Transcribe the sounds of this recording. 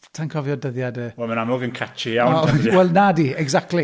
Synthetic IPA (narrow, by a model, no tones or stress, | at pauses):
tʰankʰɔvjɔdəðjadəwɛlˠmənamɔɡənkʰat͡ʃijawwɛlˠnadiɛɡzak̚tli